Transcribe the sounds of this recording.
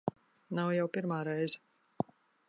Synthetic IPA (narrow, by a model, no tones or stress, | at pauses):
nawjawpiɾmaːɾɛjzɛ